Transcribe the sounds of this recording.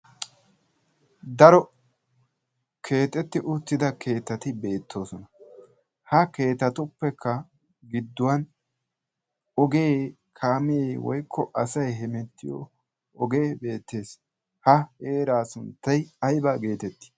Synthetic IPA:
d̪ɐɾɔ | kʰe̞ːt̪ʼɛt̪ːɪʔʊt̪ːɪd̪ɐkʰe̞ːt̪ːɐt̪ɪbe̞ːt̪ʰːo̞ːsɔnɐ | hɐke̞ːt̪ːɐt̪ʊpːɛkʰːɐ | ɡɪd̪ːʊwɐn | ɔɡeː | kʰaːmɪeːwɔ̰jkʰːɔʔɐsɐjɦɛmɛt̪ːɪjɔ̰ | ɔɡeːbe̞ːt̪ːe̞ːs | hɐhe̞ːɾaːsʊnt̪ːɐjɐjbaːɡe̞ːt̪ɛt̪ːɪ̥

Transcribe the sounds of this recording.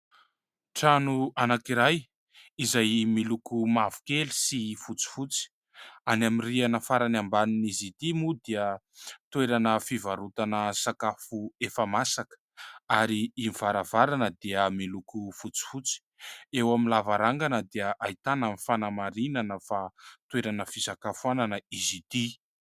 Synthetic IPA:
ʈ͡ʂanuanakiɾaj | izajmilukumavu̥keli̥sifut͡si̥fut͡si̥ | anaminrianəfaɾanambaninizit̪imud̪iə | t̪eɾanəfivaɾut̪anəsakafuefamasakə̥ | aɾiimiv̥aɾavaɾanəd̪iəmilukufut͡si̥fut͡si̥ | ewaminlavaɾaŋɡanəd̪iəʔait̪anamifanamaɾinanəfat̪weɾanəfisakafuananəizit̪i

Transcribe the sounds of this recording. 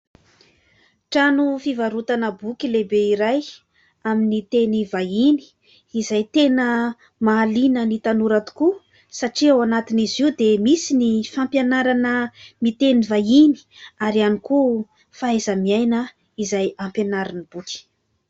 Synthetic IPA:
ʈ͡ʂanufivaɾut̪anəbukʲilebeiɾaj | aminit̪enivaini̥ː | zajt̪enə | maːlinənit̪anuɾat̪u̥ku | saʈ͡ʂiawanat̪iniziwd̪emisinifampjanaɾanəmit̪enivaini̥aɾianiku | faezəmiajnə | izajampjenaɾinib̥ukʲi̥

